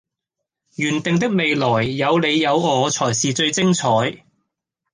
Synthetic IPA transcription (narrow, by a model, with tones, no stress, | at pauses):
jyː˨˩nt̪ɪ˨ŋt̪̬ɪ˥k̚me˨jlɔː˨˩jːɐ˨˧wle˨˧jːɐ˨˧wɔː˨˧t͡sʰɔː˨˩jsiː˨t͡sɵ˧ɥt͡sɪ˥ŋt͡sʰɔː˨˥j